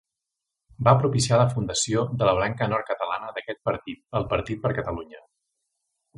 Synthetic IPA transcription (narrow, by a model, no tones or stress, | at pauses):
bapɾupisialəfund̪əsiod̪ələβ̞laŋkənɔɾ̚kət̪əlanəðəkɛt̪̚pəɾt̪it̪̚əlˠpəɾt̪it̪̚pəɾkət̪əluɲə